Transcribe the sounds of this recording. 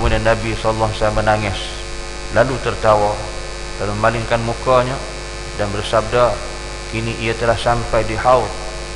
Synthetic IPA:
mudanːabislːaɦsaamənaŋɛs | lalut̪ərt̪awa | daluməmalɪŋkanmukaɲa | danbərsab̚da | kiniʔijat̪əlahsampajdihaut̪̚

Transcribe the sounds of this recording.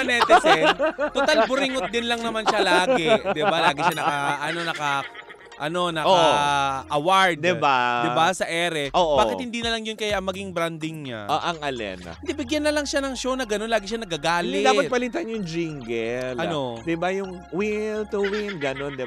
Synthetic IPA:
ɐnɛːt̪sɛt̪ot̪albʊɾɪŋot̪̚d̪ɪnlɐŋnɐmanʃalaːɡɛd̪ɪbalaːɡɪʃanɐkɐʔɐno̞nɐkɐ | ʔɐno̞nɐk | ʔɐwaɹd̪d̪ɪbad̪ɪbasɐʔɛːɾɛʔoːʔaːkɪt̪hɪnd̪iːnɐlɐŋjʊnkɐjaʔɐŋmɐɡiŋbɾand̪ɪŋɲa̰ʔoʔɐŋʔɐlɛ̰n̰ɪnd̪ɛbɪɡjanːɐlɐŋʃanɐŋʃo̞wnɐɡɐno̞nlaːɡɪʃanɐɡɐɡaːlɪd̪aːpat̪̚pɐlit̪anjʊŋd͡ʒiŋɡɛlɐnno̞d̪ɪbajʊŋ | wɪnt̪uwɪnɡɐnond̪ɪ

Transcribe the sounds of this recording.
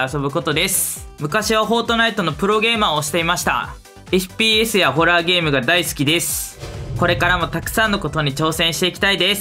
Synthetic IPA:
aso̞bɯ̟ko̞t̪o̞d̪e̞sɨ̥mɯ̟kaɕiβaɦo̞ːt̪o̞nait̪o̞no̞pɯ̟ɾo̞ɡe̞ːmaːoɕi̥t̪e̞imaɕi̥t̪a̰ | eɸɯ̟̥pʲiːesɨjaɦo̞ɾaːɡe̞ːmɯ̟ɡad̪aisɨ̥kʲid̪e̞sɨ̥ko̞ɾe̞kaɾamo̞t̪akɯ̟̥sãnːo̞ko̞t̪o̞ɲ̟it͡ɕo̞ːsẽ̞ɰ̃ɕi̥t̪e̞ikʲt̪aid̪e̞s

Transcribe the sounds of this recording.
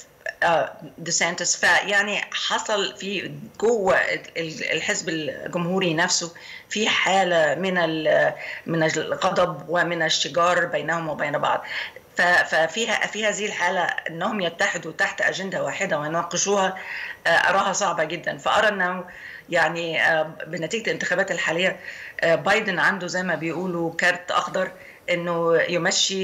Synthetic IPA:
ʔæːd̪ɪsæjnt̪ɪsfæjaʕniħɑsˤɑlfiɡowːæl̰lħezbelɡʊmhuːɾinæfso | fiːħaːlæmɪnæl | mɪnæɣɑd̪ˤɑbwɪmɪnʃːɪɡɑːɾˤbejnæhomwɪbeːnbɑ̰ʕd̪ˤ | fæfæfiːhæ̰fiːhæːzɪhilħaːlæʔḛnːæhomjæt̪ːaħɪd̪ut̪aħt̪ʔæ̰ʒænd̪æwaːħed̪æwejenwɑqeʃuːhɑʔʔɑ̰ɾˤɑːɦhɑsˤɑʕbɑɡed̪ːænfæʔɑɾˤɑʔenːæh | jaʕnibenæt̪iːɡælʔɪnt̪ɪxæːbæːt̪elħaːlejːæʔbɑjd̪enʕand̪ozæjmæbejʔuːlukæɾt̪ʔɑ̰xd̪ɑɾˤ | ʔenːojemæʃːi

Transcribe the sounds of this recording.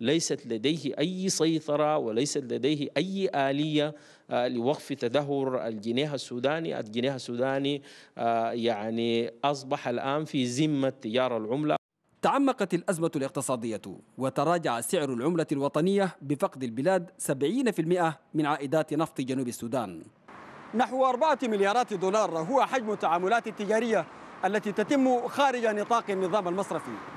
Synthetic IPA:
lajsat̪lad̪ajhiʔajːsɑjt̪ˤɑɾˤɑwalajsat̪lad̪ejɦiʔajːʔaːlijːa | liwaɡfit̪ad̪aɦːʊɾa̰lɡineːɦasːuːd̪aːnḭʔa̰lɡineːhasːuːd̪aːniajaʕniʔɑs̬ˤbɑħalʔaːnfizimːat̪ːad͡ʒɑːɾˤalʕʊmla̰ | t̪aʕamːɑqɑt̪alʔazmalɪq̚t̪ɨsˤɑːd̪ɪjːa̰wat̪ɑɾˤɑːd͡ʒaʕasɪʕɾalʕʊmlalwɑt̪ˤɑnɪjːabɪfɑqd̪albɪlaːd̪sabʕiːnafilmɪʔamɪnʕaːʔɪd̪aːt̪nɑft̪ˤd͡ʒanuːbasːuːd̪aːn | naħwʔɑɾˤbaʕamɪljɑːɾˤɑːt̪d̪uːlɑːɾˤɦʊwaħad͡ʒmat̪ːaʕaːmʊlaːt̪at̪ːɪd͡ʒaːɾɪjːa | ʔalːat̪it̪at̪ɪmːxaːɾɪd͡ʒanɨt̪ˤɑːqanːɨðˤɑːmalmɑsˤɾˤɑfi

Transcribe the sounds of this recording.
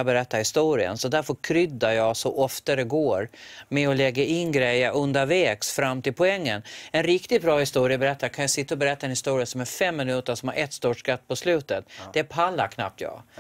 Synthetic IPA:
bɛɾɛt̪ːaɾhɪst̪uːɾɪə̰nsɔd̪æɾfœɾkʰɾʏd̪ːajɑɡsɔʔɔft̪ad̪ɛɡoːɾmɛɔlɛɡːaɪnɡɾɛjːəʔɵnd̪avɛːksfɾamːt̪ʰɪlpʰɔɛŋːənɛnɾɪkt̪ɪt̪̚bɾɑːhɪst̪uːɾɪəbɛɾɛt̪ːakʰanjasɪt̪ːaɔbɛɾɛt̪ːaɛnhɪst̪uːɾɪəsɔmæɾfɛmːɪnʉ̟ːt̪əʂɔmhaɾʔɛt̪ːst̪uːʂkat̪̚ːpʰɔslʉ̟ːt̪ət̪d̥̪ɛæɾpʰalːakʰna̰p̚t̪jɑ̰ː

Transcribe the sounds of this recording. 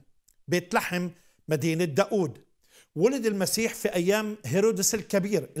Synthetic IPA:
bjt̪laħɪmː | ad̪iːnɪd̪ːaːʔuːd̪ | wʊlɪd̪ɪlmasiːħfiʔajːaːmɦeɾoːd̪ɪsɪlkabiːɾ

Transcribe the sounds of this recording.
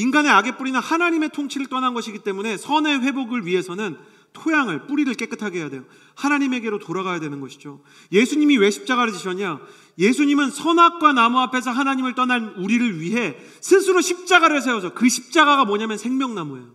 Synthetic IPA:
inɡane̞aɡe̞p͈uɾinahanaɲime̞tʰoŋt͡ɕʰiɾɯɭt͈ʌnanɡʌɕʰiɡit͈e̞mune̞sʰʌne̞ɸwe̞boɡɯɭɥiɦe̞sʰʌnɯn | tʰojaŋɯɭp͈uɾiɾɯɭk͈e̞k͈ɯtʰaɡeɦjade̞jo | hanaɲime̞ɡe̞ɾotoɾaɡajadwe̞nɯnɡʌɕʰid͡ʑo | je̞sʰuɲimiwe̞ɕʰi̥p̚t͡ɕ͈aɡaɾɯd͡ʑiɕʰʌɲa | je̞sʰuɲimɯnsʰʌnak̚k͈wanamoapʰe̞s̬ʰʌɦanaɲimɯɭt͈ʌnanuɾiɾɯɭɥiɦe̞ | sʰɯnsʰuɾoɕʰip̚t͡ɕ͈aɡaɾɯɭs̬ʰeʌs̬ʰʌkɯɕʰi̥p̚t͡ɕ͈aɡaɡamʌɲamjʌnsʰe̞ŋmjʌŋnamoej

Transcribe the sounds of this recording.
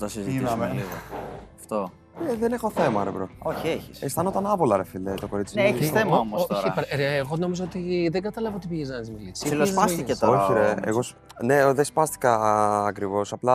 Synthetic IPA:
t̪ɐsizimeliɣoɐft̪o | eðenexo̞θe̞mɐɾebɾooçieçisest̪ɐnot̪ɐnɐpolɐɾefilet̪o̞ko̞ɾit͡sisθemɐomooopɾeːɣono̞mizoot̪iðeɡɐt̪ɐlɐvɐot̪ipiʝeznɐt̪izmilisilsɐst̪icet̪ooçiɾeḛɣo̞s | ne̞ðespɐst̪i̥kɐːkɾivo̞sɐplɐ

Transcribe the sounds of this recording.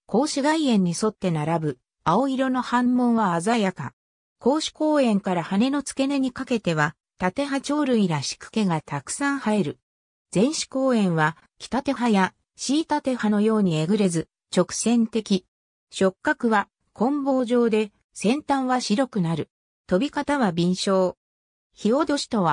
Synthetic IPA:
ko̞ːɕiɡaiẽ̞ɲ̟ːiso̞t̪ːe̞naɾabɯ̟ | ao̞iɾo̞no̞hãmːõ̞ɰ̃βaːzajaka̰ | ko̞ːɕi̥ko̞ːẽ̞ŋkaɾahane̞no̞t͡sɨ̥ke̞neɲ̟ikake̞t̪e̞βa | t̪at̪e̞ɦat͡ɕo̞ːɾɯ̟iɾaɕi̥kɯ̟̥ke̞ɡat̪akɯ̟̥sãɰ̃hae̞ɾɯ̟ | d͡zẽ̞ɰ̃ɕi̥ko̞ːẽ̞ɰ̃βa | kʲi̥t̪at̪e̞ɦaja | ɕiːt̪at̪e̞hano̞jo̞ːɲ̟ieɡɯ̟ɾe̞zɨ | t͡ɕo̞kɯ̥sẽ̞nt̪e̞kʲi | ɕo̞kːakɯ̟βa | kʰõ̞mbo̞ːʑo̞ːd̪e̞ | sẽ̞nt̪ãɰ̃βaɕiɾo̞kɯ̟naɾɯ̟ | t̪o̞bʲikat̪aβabʲĩɰ̃ɕo̞ː | çio̞d̪o̞ɕi̥t̪o̞βa

